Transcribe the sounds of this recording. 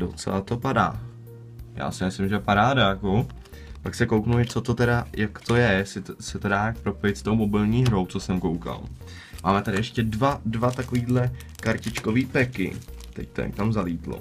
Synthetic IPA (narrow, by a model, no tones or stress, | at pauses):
dot͡sɛ̰lat̪o̞pada̰ː | ja̰ːsɪmɪslɪmʒɛpaɾaːdajako | paksɛkowknuɪt͡so̞t̪o̞t̪ɛɾajʔakt̪o̞jɛjɛsɪsɛt̪odaːjak̚pɾo̞pojɪt̪st̪o̞wmo̞bɪlɲiːɦɾo̞wt͡sosɛmkowka̰l | maːmɛt̪adɪɛʃcɛdvadvat̪akoviːdlɛ | kaɾcɪt͡ʃko̞viːpɛkɪ̰ | t̪ɛ̰ct̪ɛ̰nk̪amzaliːt̪lo̰